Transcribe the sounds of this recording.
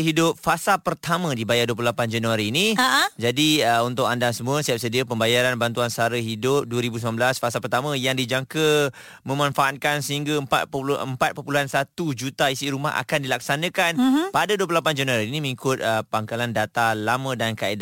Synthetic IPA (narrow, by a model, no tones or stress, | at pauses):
ɦidʊp̚fasapərt̪amə̃dibajaduəplulapand͡ʒanuwaɾiːnid͡ʒadiəunt̪ʊk̚andasəmũəst̪iap̚sədiəpəmbajaɾanbant̪uansaɾəɦidʊp̚duəɾibusəmãnbəlasfasapərt̪amə̃jaŋdid͡ʒaŋkə | mə̃mãnfaʔat̪̚kansəɦiŋɡaəmpa̰t̪̚pʔəmpat̪̚pəpuluɦansat̪ud͡ʒut̪aisiɾuma̰ɦa̰kandilak̚sanə̃kanpadaduəp̬lulapand͡ʒanuaɾiːnĩməŋikʊt̪̚əpaŋkalandat̪alamə̃dankaida